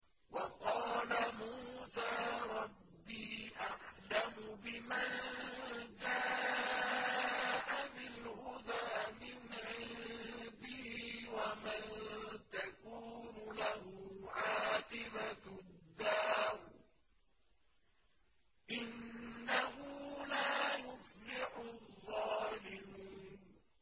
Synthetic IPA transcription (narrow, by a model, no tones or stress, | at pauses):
wɑqɑːlamuːsaːɾˤɑbːiːʔaʕlamʊbɪman | d͡ʒaː | ʔamɪlhʊd̪aːmɪnʕɪlbɪhiːwamant̪akuːnʊlahʊʕaːqɪbatd̪ːaːm | ʔɪnːaɦʊlaːjʊflɪħʊðˤːɑːlɪmuːn